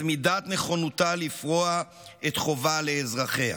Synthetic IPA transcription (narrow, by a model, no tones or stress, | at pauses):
midat̪ne̞χo̞nutalifʁoa | et̪χo̞vale̞ːzʁaχeha̰